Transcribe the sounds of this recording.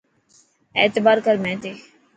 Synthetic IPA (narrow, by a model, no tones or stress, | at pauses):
eːt̪əbaːɾkəɾmɛ̃ːt̪eː